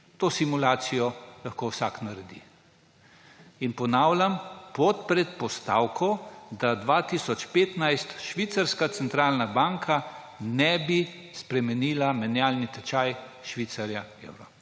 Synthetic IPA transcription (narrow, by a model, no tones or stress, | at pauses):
t̪oːsimulaːt̪sijɔlaxkoːwsaknaɾɛd̪ḭ | inpɔnaːwlʲampɔt̪̚pɾɛt̪pɔst̪a̰ːwkʰɔd̪ad̪ʋaːt̪isɔt͡ʃpeːt̪najst̪ʃʋiːt̪saɾskat̪sɛnt̪ɾaːlnabaŋkʰa | nɛbi | spɾɛmɛniːlamɛnjaːlnit̪ɛt͡ʃaj | ʃʋiːt̪saɾjaḛwɾɔ̰